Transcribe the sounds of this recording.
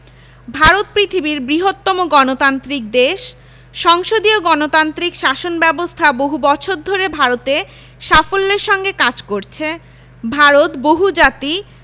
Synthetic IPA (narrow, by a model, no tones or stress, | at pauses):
bʱaɾot̪̚pɾit̪ʰibiɾbɾiɦot̪ːɔmoɡɔnot̪ant̪ɾik̚d̪eʃː | ɔŋʃod̪ioɡɔnot̪ant̪ɾikʃaʃonbɛbost̪ʰaboɦubɔt͡ɕʰoɾd̪ʱoɾebʱaɾot̪e | ʃafolːeɾʃɔŋɡekad͡ʑkoɾt͡ɕʰe | bʱaɾot̪boɦud͡ʑat̪i